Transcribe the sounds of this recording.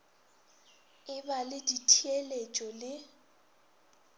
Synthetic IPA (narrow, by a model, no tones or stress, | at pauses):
ɪbalɪditʰielet͡ʃʼɔlɪ